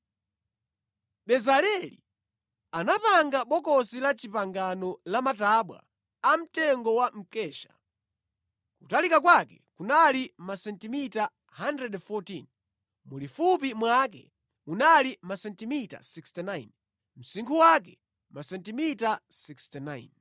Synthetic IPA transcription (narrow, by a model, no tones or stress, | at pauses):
ɓɛzalɛlḭ | anapaŋɡaɓɔkɔsilat͡ʃipaŋɡanɔlamataɓwa̰ | am̩tɛŋɡɔwam̩kɛːʃḁ̰ | kutalikak̬wakɛ̰kunalimasɛntimita | handɾɛdfɔtin | mulifup̬imwakɛ̰ | unalimasɛntimita̰sikstɛnajn | m̩siŋkʰuwak̬ɛ | masɛntimitasikstinajn